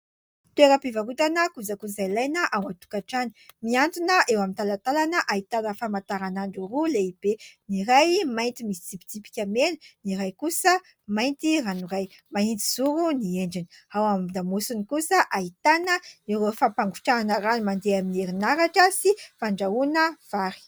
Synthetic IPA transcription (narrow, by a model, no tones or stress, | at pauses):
t̪ueɾəpivaɾut̪anəkuzakuzailajnaʔawat̪u̥kaʈ͡ʂani̥miant̪unəʔewamint̪alat̪alanəʔait̪anəfamat̪aɾanaɳɖ͡ʐuruleib̥eniɾajmajnt̪imisit͡sipi̥t͡s̪ipi̥kʲamenəniɾajkusə | majnt̪iranuraj | maint̪i̥z̥uɾunieɳɖ͡ʐiniawamd̪amusunikusəʔait̪anəiɾofampaŋɡuʈ͡ʂaanaɾanimand̪eaminieɾinaɾaʈ͡ʂəsifaɳɖ͡ʐaunəv̥aɾi̥